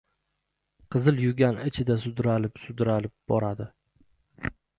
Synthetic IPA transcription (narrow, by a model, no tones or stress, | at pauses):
qʰɨzɪljʊɡʲanɪt͡ʃʰɪd̪asʊd̪ɾalɪpsʊd̪ɾalɪp̚bɒɾad̪ɪ